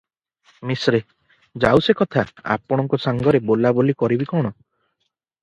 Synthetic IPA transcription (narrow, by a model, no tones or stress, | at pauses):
misɾe | d͡ʒawsekɔt̪ʰaa̰pɔɽ̃ɔŋkɔsaŋɡɔɾebolabolikɔɾibikɔɽ̃ɔ